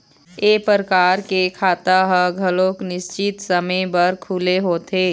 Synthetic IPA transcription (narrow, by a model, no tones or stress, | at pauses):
eːpəɾəkaːɾkekʰaːt̪aɦəɡʱɐlõːknɪst͡ʃɪt̪sɐməbɐəɾkʰuːleɦoːt̪ʰeː